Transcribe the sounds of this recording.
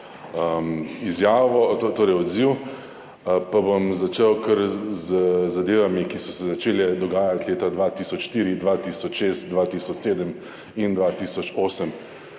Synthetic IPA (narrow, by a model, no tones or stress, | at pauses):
əmizjaːʋɔot̪oːɾɛjɔd̪ziw | pabomzat͡ʃewkəɾzəzad̪eːʋamikisɔsɛzat͡ʃeːlɛd̪ɔɡaːjat̪leːt̪ad̪ʋat̪isɔt͡ʃʃt̪iːɾid̪ʋat̪isɔt͡ʃʃeːst̪̚d̪ʋaːt̪iːsɔt͡ʃseːd̪əm | ind̪ʋat̪iːsɔt͡ʃoːsəm